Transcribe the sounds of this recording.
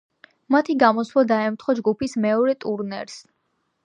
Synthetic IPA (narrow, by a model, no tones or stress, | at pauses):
mat̪ʰiɡamɔswlad̪aɛmt̪ʰχɔd͡ʒɡupʰismɛɔɾɛt̪ʼuɾnɛ̰ɾs